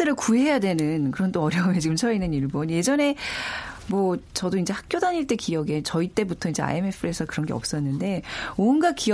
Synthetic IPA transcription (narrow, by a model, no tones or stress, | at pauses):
ɯɾɯɭkuɦe̞ejadwe̞nɯnkɯɾʌnt͈oʌɾjʌumet͡ɕiɡɯmt͡ɕʰʌinɯniɭbonje̞d͡ʑʌne̞ | mwʌt͡ɕʌdoind͡ʑe̞hak̚k͈jodaɲiɭt͈ekijʌɡe̞t͡ɕʌit͈e̞butʰʌind͡ʑe̞a̰e̞me̞pʰɯesʰʌkɯɾʌnɡe̞ʌp̚s͈ʌnːɯnde̞onɡaki